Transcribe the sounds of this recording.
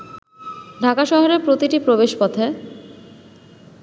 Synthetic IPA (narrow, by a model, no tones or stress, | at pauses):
ɖʱakaʃɔɦoɾeɾpɾot̪iʈipɾobeʃpɔt̪ʰe